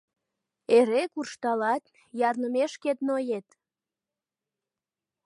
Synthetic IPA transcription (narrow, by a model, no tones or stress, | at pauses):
eɾekurʃt̪ɑlɑt̪̚ | jɑrnəmeʃket̪̚nojet̪